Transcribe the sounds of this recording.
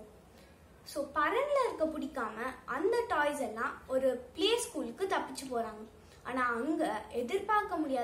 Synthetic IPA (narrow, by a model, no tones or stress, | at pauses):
soːpɐɾɐnlɐɪɾɯkːɐpːʊɽɪkːaːmɐʔɐnd̪ɐʈɔːɪsɛlːãːɔɾɯpɭeːskuːlkːɯt̪ɐpːɪt͡ʃːɯpoːɾaːŋɡɐ | aːnaːɐŋɡɐʔɛðɪɾpaːɾkɐmʊɽɪjaː